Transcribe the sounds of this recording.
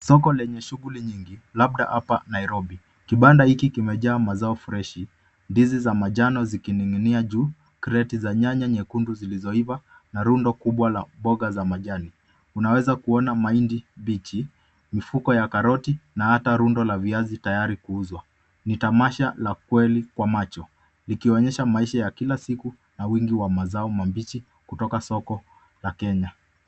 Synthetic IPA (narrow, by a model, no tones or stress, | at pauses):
sɔkɔlɛɲɛʃuɣuliɲiŋɡilaɓ̚ɗa̰ʔapa̰naiɾɔɓi | kiɓandahikikimɛʄaːmazaɔfuɾɛʃi | ndizizamaʄanɔzikiniŋiniaʄuː | kɾɛtizaɲaɲaɲɛkunduzilizɔiva | naɾundɔkuɓwalaɓɔɠazamaʄani | unawɛzakuɔnamaindibit͡ʃi | mifukɔjakaɾɔtinahataɾundɔlaviazitajaɾikuuzwa | nitamaʃalakwɛlikwamat͡ʃɔ | likiɔɲɛʃamaiʃajakilasiku | nawiŋɡiwamazaɔmambit͡ʃi | kutɔkasɔkɔ | lakɛɲa